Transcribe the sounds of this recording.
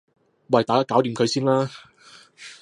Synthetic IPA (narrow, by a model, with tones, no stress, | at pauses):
wɐ˨˩jt̪aː˨˩kaː˥kaː˨˥wt̪iː˨mkʰɵ˨˧ɥsiː˥nlaː˥